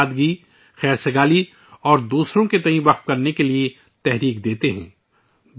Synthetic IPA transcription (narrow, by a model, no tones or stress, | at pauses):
d̪ɡi | xɛːɾsɐɡaːli | ɔːɾd̪uːsɾõket̪ɐɦĩʋɐqt̪̚kɐɾnekelie | t̪ɛɦɾiːkd̪eːt̪eɦɛ̰̃ː